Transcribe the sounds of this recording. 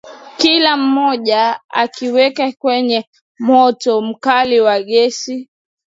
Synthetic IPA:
kilam̩mɔʄaa̰kiwɛkakwɛɲɛ | mɔtɔm̩kaliwaɠɛsi

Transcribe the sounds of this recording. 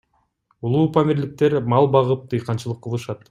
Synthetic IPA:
ulˠuːpʰamʲiɾlik̚t̪e̞ɾmɑlˠbɑʁɯp̚t̪ʰɯjqɑnt͡ʃɯlˠɯqːɯlˠɯʃɑt̪

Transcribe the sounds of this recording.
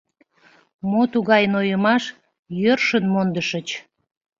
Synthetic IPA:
mot̪uɣɑjənojəmɑʃ | jørʃənmond̪əʃət͡ɕ

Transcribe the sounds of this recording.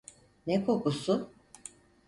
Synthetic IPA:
nɛkʰo̞kusʊ

